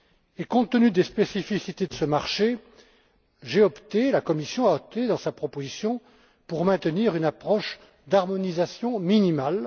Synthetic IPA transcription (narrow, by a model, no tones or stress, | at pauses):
ekɔ̃t̪ənyd̪espesifisit̪ed̪əsəmaʁʃe | ʒeɔpt̪elakɔmisjɔ̃aɔp̚t̪ed̪ɑ̃sapχɔpozisjɔ̃ | puʁmɛ̃t̪əniʁynapχɔʃ | d̪aʁmɔnizasjɔ̃minimal